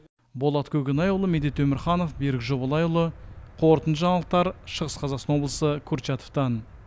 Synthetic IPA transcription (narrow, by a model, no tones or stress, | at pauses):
bo̞lˠɑt̪kʲʰɵkʲɪnɑjulˠəmed̪et̪ʰɵmɪɾχɑnofbeɾɪkʒo̞bɑlˠɑjulˠəqʰo̞ɾt̪ənʒɑɴlˠəq̚t̪ɑɾʃəʁəsqʰɑzɑqsɑnwo̞blˠəsəkʲʰuɾt͡ʃɑt̪oft̪ɑn